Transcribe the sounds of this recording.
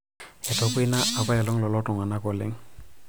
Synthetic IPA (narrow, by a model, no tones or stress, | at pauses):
ɛtɔkujnaabajɛlɔŋlɔlɔtɔŋanakɔlɛ̰ŋ